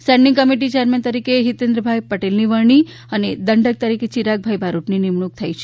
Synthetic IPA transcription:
sɛ̃ɳɖiŋkəmiʈ̬it͡ʃeəɾment̪əɾikeɦit̪end̪ɾəbʱajpəʈelniʋəɾɳi | əned̪əɳɖək̚t̪əɾiket͡ʃiɾaɡ̚bʱajbʱaɾuʈninimɳuk̚t̪ʰajt͡ʃʰe

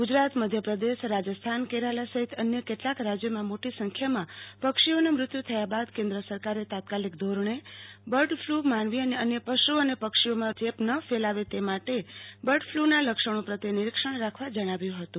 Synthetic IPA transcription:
ɡud͡ʒɾat̪məd̪ʱjəpɾəd̪eʃɾad͡ʒəst̪ʰankeɾalasəɦit̪ənjəkeʈlakɾad͡ʒjəmãmoʈisəŋkʰjamãpəkʃionemɾʊt̪jut̪ʰəjabad̪kẽnd̪ɾəsəɾkaɾet̪at̪̚kalik̚d̪ʱoɾəɳ̃ebəɾɖfʰlumanʋiəneənjəpəʃuənepəkʃiomãd͡ʒepnəfelaʋet̪emaʈebəɾɖfʰlunaləkʂəɳ̃õpɾət̪enɪɾikʃəɳ̃ɾakʰʋad͡ʒəɽ̃aʋjũɦət̪ũ

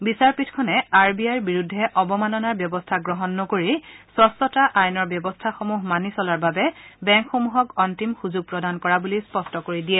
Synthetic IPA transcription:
bisaɹpitʰkʰɔnɛaɹbiajɹbiɹudʱːɛʔɔbɔmanɔnaɹbjɔbɔstʰaɡɹɔɦɔnːɔkoɹisɔsɔtaʔajnɔɹbjɔbɔstʰaxomuɦmanisɔlaɹbabɛbɛŋkxomuɦɔkɔntimxuzʊɡ̚pɹɔdankɔɹabulispɔstɔkoɹidijɛ

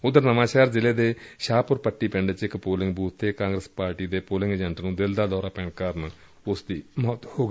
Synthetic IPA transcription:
ʊd̪əɾnəmãːʃaːɾd͡ʒɪleːd̪eːʃaːpʊɾpəʈːiːpɪ̃ɳɖət͡ʃɪkpoːlɪ̃ŋɡbuːt̪ʰt̪eːkãːŋɡɾəspaːɾʈiːd̪eːpoːlɪ̃ŋɡəd͡ʒɛɳʈnũːd̪ɪld̪aːd̪ɔːɾaːpɛ̃ːɽkəɾn | ʊsd̪iːmɔːt̪hoːɡ

